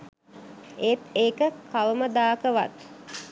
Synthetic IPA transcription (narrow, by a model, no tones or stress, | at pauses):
eːt̪eːkəkʰawməd̪aːkəʋa̰t̪